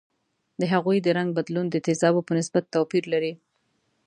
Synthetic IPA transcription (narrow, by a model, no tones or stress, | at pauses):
d̪əɦaɣujd̪əɾaŋɡ̚bad̪lund̪ət̪ɪzɑbopənɪsbat̪ːapiɾlaɾi